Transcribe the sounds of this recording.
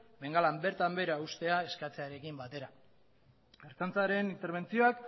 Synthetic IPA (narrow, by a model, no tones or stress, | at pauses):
me̞ŋɡalambe̞ɾt̪ambe̞ɾaust̪e̞ae̞skat͡se̞aɾe̞kimbat̪e̞ɾa | ɡe̞ɾt̪ant͡saɾe̞nint̪e̞ɾβ̞e̞nt͡sio̞ak